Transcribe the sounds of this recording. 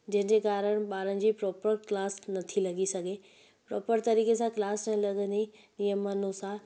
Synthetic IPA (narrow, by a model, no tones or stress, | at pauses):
d͡ʑɐ̃ɦɪ̃ɲd͡ʑekaːɾəɽ̃̆ɓaːɾənɪ̆d͡ʑiːpɾɔːpəɾklaːsnɐt̪ʰilɐɡisɐɡʱe | pɾɔ̰ːpəɾt̪ɐɾiːkesãklaːsnɐ̃lɐɠə̃nd̪inijəmːaːnusaːɾ